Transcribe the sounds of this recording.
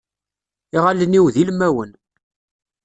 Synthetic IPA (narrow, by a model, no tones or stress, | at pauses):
iʁaləniwðilmːæwən